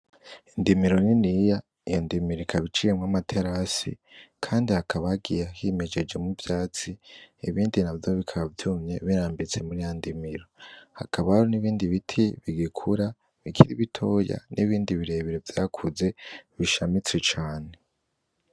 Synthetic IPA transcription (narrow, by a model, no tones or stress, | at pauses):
indimiɾo̞ninija | ijondimiɾoikʰaβit͡ʃijemwamatʰe̞ɾasḭkʰaːndihakʰaβaaɡijahime̞d͡ʒe̞d͡ʒe̞muvjaːt͡siiβiːndinavjoβikʰaβavjuːmɲe̞βiɾaːmbit͡se̞muɾijondimiɾo̞ha̰kʰaβahaɾoniβiːndiβitʰiβiɡikʰuɾa | βikʰiɾiβitʰo̞ːja̰nʔiβiːndiβiɾe̞βiɾevjakʰuze̞βiʃamit͡swet͡ʃaːne̞